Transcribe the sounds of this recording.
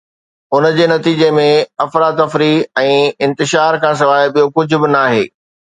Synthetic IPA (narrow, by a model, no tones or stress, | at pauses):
ʊnəd͡ʑeːnɐt̪iːd͡ʑemẽɐfɾad̪ɐfɾiɛ̃ːɪ̃nt̪ɪʃaːɾkʰãːs̬ɐlaːɪɓijokʊd͡ʑʱʊ̆bɪnaːɦḛː